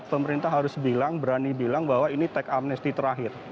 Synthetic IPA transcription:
pəməɾint̪aɦaɾʊsbilaŋbəɾanibilaŋbaɦwainit̪ɛkamnɛst̪it̪əɾaɦɪr

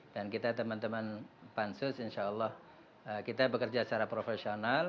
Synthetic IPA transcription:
d̥ankit̪at̪əmant̪əmanpansʊsɪnʃaəlːɑh | əkit̪abəkərd͡ʒast͡ʃaɾapɾofesional

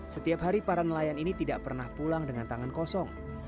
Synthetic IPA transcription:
sət̪iapɦaɾipaɾanəlajaninit̪idaʔpərnahpulaŋdəŋant̪aŋankɔsɔŋ

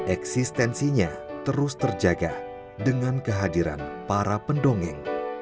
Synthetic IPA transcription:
ʔɛksist̪ɛnsiɲat̪əɾʊst̪ərd͡ʒaɡa | dəŋankəɦadiɾa̰npaɾapəndoŋɛ̰ŋ

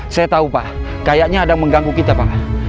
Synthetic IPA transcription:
sajat̪aupa | kajaʔɲaːdaŋməŋɡaŋɡukit̪apaka

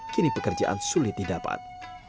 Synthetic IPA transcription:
kinipəkərd͡ʒa̰ʔa̰nsulɪt̪̚didapa̰t̪̚

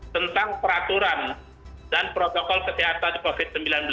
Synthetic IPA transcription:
t̪ənt̪aŋpəɾat̪uɾan | danpɾot̪ɔkɔlkəseɦat̪andikofɪt̪̚səmbilanbəl

